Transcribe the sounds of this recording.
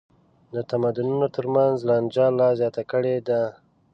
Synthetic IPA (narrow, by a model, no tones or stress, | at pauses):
d̪ət̪amad̪ʊnunot̪əɾmanzland͡ʒɑlɑzjɑt̪akəɽed̪a